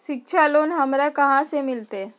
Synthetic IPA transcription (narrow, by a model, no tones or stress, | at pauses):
ɕik̚ɕʰaloːnɦəmɾakəɦãsemilt̪e